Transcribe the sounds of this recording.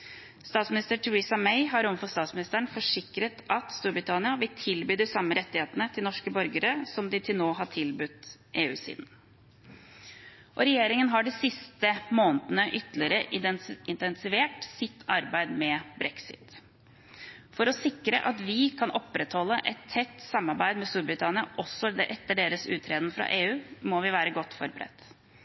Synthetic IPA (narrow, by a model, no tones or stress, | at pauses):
st̪ɑːt̪smɪnɪst̪əʈʰɛɾiːsɑmɛɪɦɑɾɔməfɔst̪ɑːt̪smɪnɪst̪æɳ̩fɔʂɪkɾət̪ʔɑt̪st̪uːɾbɾɪt̪ʰɑnɪɑʋɪlt̪ʰɪlbyːd̪ɪsɑmːəɾʔɛt̪ːɪheːt̪ənət̪ʰɪlnɔʂkəbœɾɡəɾəsɔmd̪ɪt̪ʰɪlnoːɦɑʈʰɪlbʉt̪ʔeːʉ̰ːsḭːd̪n̩ | ʔɔɾɛjeːɾɪŋənɦɑɖɛsɪst̪əmoːnət̪ənəʔʏt̪ːlɪəɾəɪnt̪ɛnsɪʋeːʈsɪt̪ʰːɑɾbæɪd̪mɛbɾɛksɪ̰t̪ | fɔɾɔsɪkɾə̰ʔɑt̪ʋɪkʰɑnɔpːɾɛt̪hɔlːəʔɛt̪ʰːɛt̪ːsɑmːɑɾbæɪd̪mɛst̪uːɾbɾɪt̪ʰɑnɪɑʔɔsːɔd̪ɛʔɛt̪ːəɖeːɾəsʉ̰ːt̪ʰɾeːd̪n̩fɾɑ̰ʔeːʉːmɔʋɪʋæːɾəɡɔt̪ːfɔɾbəɾɛ̰t̪ː